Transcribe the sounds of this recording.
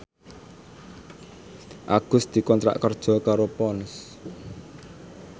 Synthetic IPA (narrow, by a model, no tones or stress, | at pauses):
ʔa̰ɡ̥ʊ̤sd̪̥i̤kɔnt̪ɾa̰ʔkərd̥ʒ̥ɔ̤kaɾopɔns